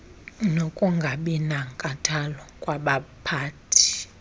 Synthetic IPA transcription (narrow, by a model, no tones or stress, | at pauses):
nokʼuŋɡʱaɓinaŋkʼatʰalɔkʼwaɓapʰaːtʰi̥